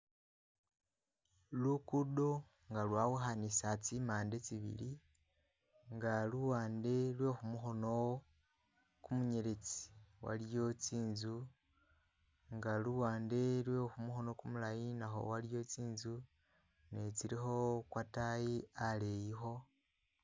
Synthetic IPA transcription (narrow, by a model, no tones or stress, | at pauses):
lukudo | ŋɡalwaːwuxanisat͡simaːnde̞t͡siβḭli | ŋɡaluwaːnde̞lwe̞xumuxo̞no̞ | kumuɲe̞ɾe̞t͡si̥wa̰ljo̞t͡siːnzu | ŋɡaluwaːnde̞lwexumuxo̞no̞kumulajinaxo̞̰waljo̞t͡siːnzu | net͡siɾixo̞kwatajiale̞jixo̞